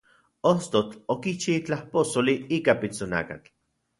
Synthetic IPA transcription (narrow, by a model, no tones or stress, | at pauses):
ost̪ot͡ɬokit͡ʃit͡ɬahposoliiːkapit͡sona̰ːka̰t͡ɬ